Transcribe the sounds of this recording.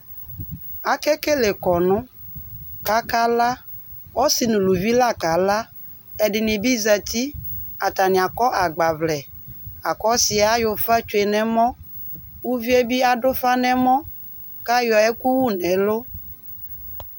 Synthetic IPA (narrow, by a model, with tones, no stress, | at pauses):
a˨kɛ˦ke˦le˨kɔ˨nʊ̃˦ | ka˦ka˦la˦wɔ˦si˨nũ˨lu˨vi˦la˦ka˨la˦ | ɛ˨ɖɪ˨nɪ̃˨bi˦za˨t̪i˦a˨t̪a˨nĩ˨a˨kɔ˦ʔa˨ɡ͡ba˨vlɛ˨a˨kɔ˦si˨a˨˦jo˨fa˦t͡ʃo˨e˨nɛ̃˨mɔ̃˦wu˦vi˦e˦bi˦a˨ɖo˦fa˦nɛ̃˨mɔ̃˦ | ka˦jɔ˨ɛ˦ku˦wu˦nɛ̃˨lo˦